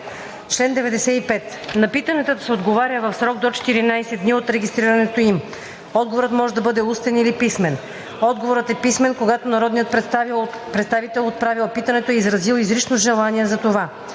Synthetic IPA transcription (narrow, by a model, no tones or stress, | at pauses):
t͡ʃlɛnd̪ɛvɛd̪ɛsɛipɛt̪ | nɐpit̪ɐnɛt̪əd̪ɐsɛod̪ɡovaɾʲjəvɐfsɾɔɡ̚d̪ot͡ʃɛ̥t̪iɾinajsɛd̪niot̪ɾɛɡʲist̪ɾiɾɐnɛt̪oim | ɔd̪̚ɡovoɾət̪mɔʒɛd̪ɐbɤd̪ɛust̪ɛnilipismɛn | ɔd̪ɡovoɾət̪ɛpismɛnkoɡat̪onɐɾɔd̪niət̪ | pɾɛt̪st̪avit̪ɛlˠot̪̚pɾavilˠpit̪ɐnɛt̪oɛizɾɐzilˠizɾit͡ʃnoʒɛlˠaniɛzɐt̪ova